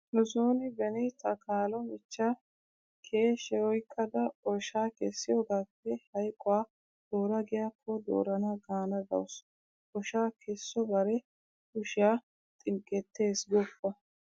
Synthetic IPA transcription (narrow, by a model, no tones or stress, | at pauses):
nʊzoːnɪbɛnɪt̪ɐkaːlɔmɪt͡ʃːa | kʰeːʃɛɔjkʰːɐd̪ɐɔʃaːkɛsːɪjɔɡaːpːɛhɐjkʼɔwaː | d̪̥o̞ːɾɐɡɪjaːkʰːɔd̪o̰ːɾɐnɐɡaːnɐd̪ɐ̰wʊs | ɔʃaːkʰɛsːɔbɐɾɛ | ʊʃɪjaː | t̪ʼɪŋkʼːɛt̪ːe̞ːsɡɔpːɐ